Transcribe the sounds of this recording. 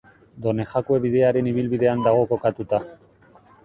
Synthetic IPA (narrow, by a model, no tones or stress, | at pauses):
d̪o̞ne̞xakue̞βiðe̞aɾe̞niβ̞ilβiðe̞and̪aɣo̞ko̞kat̪ut̪a